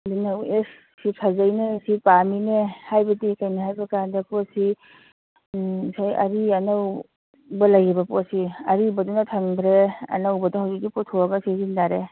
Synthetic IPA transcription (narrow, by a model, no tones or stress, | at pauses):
dinaes | sisʰazajnesipaminehajbɐdikajnahajbɐkandɐpɔt̚si | sajɐ̰ɾiɐnaw | bɐlajibɐposiɐɾibɐdunatʰaŋbɾeɐ̰nawbɐdahawzik̚dipɔtʰoaɡasizindaɾe